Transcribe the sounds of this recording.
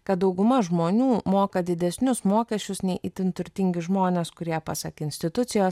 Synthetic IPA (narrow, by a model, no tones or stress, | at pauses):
kɐt̪̚d̪ɒʊɡʊmɐʒmoːnʲuːmoːkɐd̪ʲɪd̪ʲɛsʲnʲʊsmoːkʲɛsʲt͡ʃʲʊsnʲɛɪʔɪt̪ʲɪnt̪ʊɾʲt̪ʲɪŋʲɡʲɪʒmoːnʲeːskʊɾʲiɛpɑsɐkɪnʲsʲt̪ʲɪt̪ʊt̪sʲɪjoːs